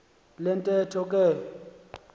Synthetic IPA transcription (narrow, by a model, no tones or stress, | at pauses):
lɛntʼɛtʰɔk̬ʼɛ